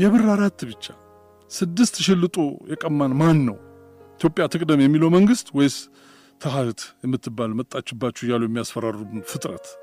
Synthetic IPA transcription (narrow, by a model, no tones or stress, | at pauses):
jɛβɨrːaɾat̪ːbɨt͡ʃːḁ | sɨd̪ːɨst̪ʃɪlːɨt̪ʼojɛkʼəmːanmanːəw | ʔɪt̪ʰjo̞pʼjat̪ʰɨkʼd̪əmjɛmːiləwməŋɡɨst̪wɔjs | t̪ʰəɦat̪jɛmːɨt̪ʰːɨbːalmət̪ʼːat͡ʃːɪbːat͡ʃːujalojɛmːijasfəɾarubɨfɨt̪ʼɾə̰t̪